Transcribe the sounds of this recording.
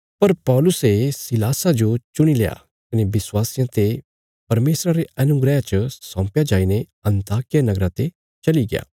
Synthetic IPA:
pɐɾpɔːlʊsesɪlaːsad͡ʒot͡ʃʊɽ̃ileja̰ | kɪnebɪswaːsijãt̪e | pɐɾmeːsɾaɾeɐnʊɡɾɛjãt͡ʃɐsɔ̃ːpjad͡ʒaːine | ɐ̃nt̪aːkijanɐɡɾãt̪e | t͡ʃɐliɡɪja̰ː

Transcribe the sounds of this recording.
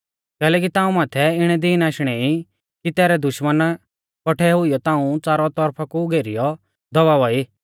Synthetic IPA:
kɛːlɛːk̬it̪ãːũmaːt̪ʰɛɪɽ̃ɛd̪ɪːnaːʃɽ̃ɛi | kit̪ɛːɾɛd̪ʊʃmən | pɔʈʰɛɦʊijɔt̪ãːũt͡saːɾɔt̪ɔɾpʰakuɡeːɾijɔ | d̪ɔʋaːʋɔi

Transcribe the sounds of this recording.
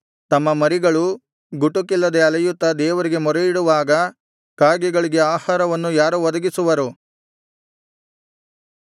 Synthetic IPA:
t̪ɐmːɐmɐɾiɡɐɭu | ɡuʈukilːɐd̪eɐlɐjut̪ːɐd̪ɛːʋɐɾiɡe̞mɔɾejiɽuʋaːɡɐ | kaːɡɛɡɐɭiɡe̞aːhaːɾɐʋɐnːujaːɾuʋɔd̪ɐɡisuʋɐɾu

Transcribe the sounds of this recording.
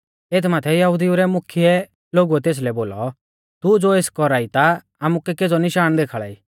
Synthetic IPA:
eːt̪ʰmaːt̪ʰɛjɐɦʊd̪iuɾɛmʊkʰiɛ | loːɡuɛt̪eːs̬lɛboːlɔ̰ | t̪ud͡zoːeːskɔɾaːit̪a | aːmukɛked͡zɔnɪʃaːɽ̃nd̪eːkʰaɭa̰ːḭː

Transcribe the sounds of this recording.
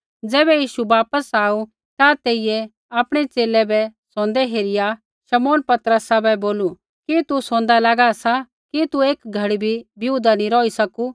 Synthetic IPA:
d͡zɛːbɛjiːʃuʋaːpəsaːu | t̪at̪eːɪjɛ | aːpɽ̃ɛt͡seːlɛbɛsɔ̃ːnd̪ɛɦeːɾɪja | ʃɐmoːnpɐt̪ɾəsaːbɛboːlu | kit̪usõːnd̪alaːɡasa | kit̪ueːkɡʱɐɽibʱibʱjuːd̪anĩɾɔːisɐku

